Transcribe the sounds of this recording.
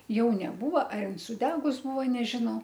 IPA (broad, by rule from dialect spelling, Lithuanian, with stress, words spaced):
ˈjɛʊ nʲɛˈbuːʋɐ ɐr ˈɪn sʊˈdʲæːɡʊs ˈbuːʋoː nʲɛʒʲɪˈnɐʊ